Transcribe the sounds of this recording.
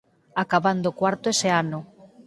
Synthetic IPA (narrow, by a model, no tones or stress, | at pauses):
akaβand̪okwaɾt̪oeseanʊ